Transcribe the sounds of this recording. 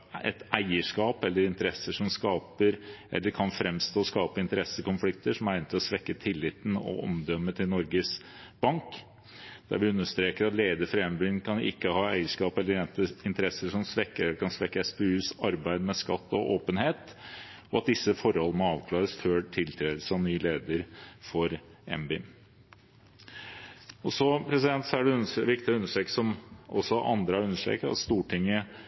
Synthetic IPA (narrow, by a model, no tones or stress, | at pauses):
ɛ̰t̪ʔæɪəʂkɑːpɛlːəɾɪnt̪əɾɛsːəʂɔmskɑːpəɾʔɛ̰lːəɾkʰɑnfɾɛmst̪oːɔskɑːpəɪnt̪əɾɛsːəkʊnflɪkt̪əʂɔmæɪnət̪ʰɪlɔsʋɛkːət̪ʰɪlːɪt̪n̩ɔ̰ʔɔ̰md̪œmːət̪ʰɪlnɔɾɡəs | b̥ɑŋk | d̪̥æ̰ɾʋɪʉnːəʂt̪ɾeːkəɾɑt̪leːd̪əfɾɛmbyːnkʰɑnɪ̰kːəhɑːæɪəʂkɑːpɛlːəɾɛnt̪əɪnt̪əɾɛsːəʂɔmsʋɛkːəɛlːəɾkʰɑnsʋɛkːəɛspeʉːsɑɾbæɪd̪mɛskɑt̪ːɔʔoːpənheːt̪ɔɑt̪̚d̪ɪsːəfɔɾhɔlːəəmɔɑːʋkʰlɑːɾəsføːʈʰɪlt̪ʰɾeːd̪əsɔʋnyːleːd̪əɾfɔɾɛ̰mbyːn | ɔsɔpʰɾɛsɪd̪ɛnt̪sɔæɖɛʉnːʋɪkt̪ɪəʉnːəʂʈɾeːksɔmʔɔ̰sːɔʔɑ̰nd̪ɾəɑʉnːəʂʈɾḛːkɑ̰t̪st̪uːʈʰɪŋːə